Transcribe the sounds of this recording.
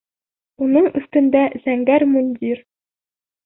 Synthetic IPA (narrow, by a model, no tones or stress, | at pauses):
unɤɴɵ̆st̪ɵ̆nd̪æz̥æŋɡæɾmunʲd̪ʲiɾ